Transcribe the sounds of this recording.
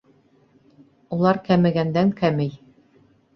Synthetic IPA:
ulˠɑɾkæmɘ̆ɡænd̪æŋkæmɘj

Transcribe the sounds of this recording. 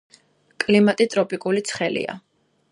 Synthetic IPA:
kʼlimat̪ʼit̪ʼɾɔpʼikʼulit̪sʰχɛlḭa̰

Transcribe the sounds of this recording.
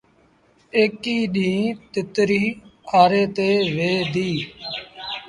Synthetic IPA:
eːkiːɗĩːt̪ɪt̪ɾiːaːɾeːt̪eːʋeːd̪iː

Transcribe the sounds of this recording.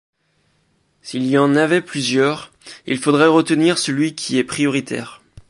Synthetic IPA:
silijɑ̃navɛplyzjœʁ | ḭlfod̪ʁɛʁət̪əniʁsəlɥikʲʰiɛpχijɔʁit̪ʰɛ̰ːʁ

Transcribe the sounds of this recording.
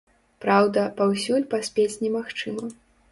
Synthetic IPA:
pɾawd̪ɐpawsʲulʲpasʲpʲet͡sʲnʲɛmaxt͡ʂɨmɐ

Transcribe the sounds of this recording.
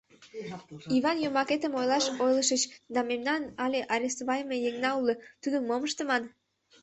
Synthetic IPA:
iβɑnjomɑket̪əmojlɑʃojləʃət͡ɕd̪ɑmemnɑnɑlʲeʔɑɾʲest̪βɑjmejeŋnɑulət̪ud̪əmmoməʃt̪ə̆mɑn

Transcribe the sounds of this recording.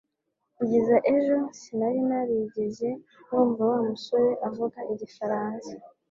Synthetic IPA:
ɟizaʔe̞ʒo̞sinaɾinaɾiɟeze̞ | nuːmvawamuso̞ɾeʔavuɡaʔiɟifaɾaːnsḁ

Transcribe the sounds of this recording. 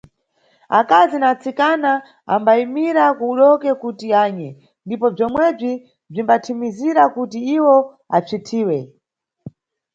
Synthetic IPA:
akazinat͡sikana | a̰mbaimiɾakuːɗɔkɛkutiaːɲɛ | ndipɔb͡ʐɔmwɛb͡ʐi | b͡ʐimbatʰimiziɾakutiiwɔ | a̰t͡sitʰiːwɛ

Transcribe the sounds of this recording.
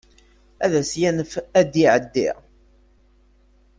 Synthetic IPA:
æðæsjænəfæd̪iʕəd̪ːḭʁ

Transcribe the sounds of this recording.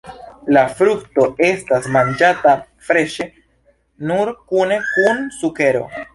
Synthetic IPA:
lafɾukto̞e̞stasmand͡ʒata | fɾe̞ʃe̞ | nuɾkune̞kunsuke̞ɾo̞̰

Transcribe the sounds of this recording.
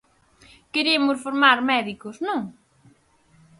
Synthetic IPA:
keɾemʊsfoɾmaɾmɛðikosnõŋ

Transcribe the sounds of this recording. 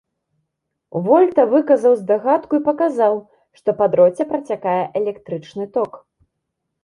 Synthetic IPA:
vɔlʲt̪ɐvɨkɐzɐwzd̪aɣat̪kuipɐkazaw | ʂt̪ɔpad̪ɾɔt͡sʲɛpɾɐt͡sʲakajɛʔɛlʲɛkt̪ɾɨt͡ʂnɨt̪ɔk

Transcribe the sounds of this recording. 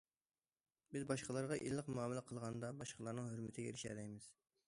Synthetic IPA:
bɪzbɑʃqəlˠɑɾʁɑʔḭllːəqmuɑmɪlˠɪqʰəlˠʁɑnd̪ɑbɑʃqʰəlˠɑɾnɨŋhøɾmɪt̪ʰɪɡʲɛḛɾɪʃæ̰d̪ɛjmɪz̥

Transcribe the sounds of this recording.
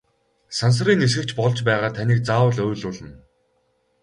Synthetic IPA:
sans̬̆riːŋes̬ɡɘ̆k̚t͡ɕpɔɮt͡ɕpæːʁaːt̪ʰaniːk̚t͡saːwə̆ɮʊːɮʊːɮə̆n

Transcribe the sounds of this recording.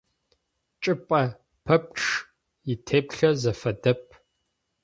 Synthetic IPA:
t͡ʃʼɨpʼɐ | pʰɐp̚ʈ͡ʂ | jitʰeːpɬɐzɐfɐdɐp̚ʰʼ

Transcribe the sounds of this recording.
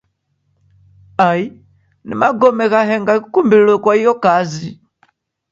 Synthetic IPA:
ai | nḭmaɡɔmɛɣaɦɛŋɡakukumbillɔkwaijɔkazi

